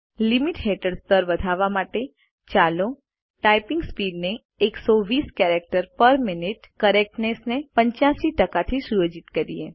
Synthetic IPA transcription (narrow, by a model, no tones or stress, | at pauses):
limiʈɦeʈəɽst̪əɾʋəd̪ʱaʋamaʈe | t͡ʃalo | ʈajpɪŋɡspiɖneː | ksɔʋiskɛɾek̚ʈəɾpəɾminiʈkəɾek̚ʈnesnepəɲt͡ʃãʃiʈəkat̪ʰisujəd͡ʒit̪kəɾije